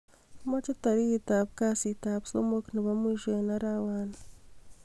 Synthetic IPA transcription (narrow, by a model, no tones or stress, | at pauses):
mat͡ʃotaɾitaβukasitaβu̥somokniβamwiːʒwenaɾawaːna